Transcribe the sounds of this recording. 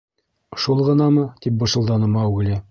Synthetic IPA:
ʃulˠʁɤ̆nɑmɤt̪ip̚bɤ̆ʃɤ̆lˠd̪ɑnɤ̆mɑuɡɘlʲɘ

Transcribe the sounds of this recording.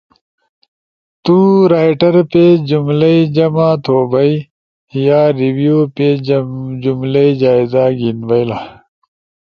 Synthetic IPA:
t̪uɾaːjʈɐɾped͡ʑumlɐid͡ʑɐmãːt̪ʰoːbɐi | jaːɾiwjuped͡ʑumlɐid͡ʑaːizaːɡinbɐjlaː

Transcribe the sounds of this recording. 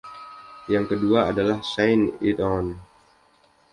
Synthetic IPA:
jaŋkəduaːdalahsajnit̪ɔn

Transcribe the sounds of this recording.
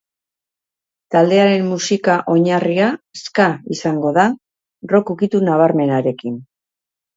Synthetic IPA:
t̪ald̪e̞aɾe̞mːusikaʔo̞ɲariaskaisaŋɡo̞ða | ro̞kukit̪unaβ̞aɾme̞naɾe̞kin

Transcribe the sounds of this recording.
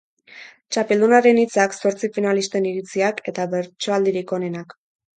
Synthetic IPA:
t͡ʃape̞ld̪unaɾe̞nit͡sakso̞ɾt͡sifinalist̪e̞niɾit͡siake̞t̪aβe̞ɾt͡ʃo̞ald̪iɾikone̞nak

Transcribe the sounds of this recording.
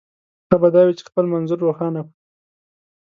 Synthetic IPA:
xabad̪ɑwit͡ʃe̥xpəlmanzʊɾːoxɑnapi

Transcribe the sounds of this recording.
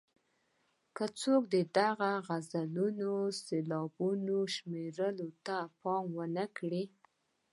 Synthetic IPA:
kət͡sok̚d̪əd̪aɣaɣazalunoselɑbunoʃmeɾəlot̪apɑmwənəkɽi

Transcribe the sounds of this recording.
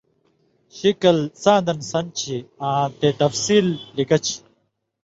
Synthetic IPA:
ɕikɐlsãːnd̪ɐnsɐnt͡ɕʰiãːt̪eːt̪ɐfsiːlːikɐt͡ɕʰi̥

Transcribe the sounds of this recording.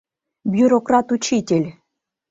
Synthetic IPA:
bʲjuɾokrat̪ut͡ɕitʲelʲ

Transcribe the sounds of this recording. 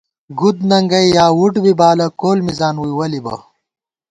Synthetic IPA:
ɡud̪nɐŋɡɐjjaːwuʈbibaːlɐkoːlmizaːnwuijwɐlibɐ̰

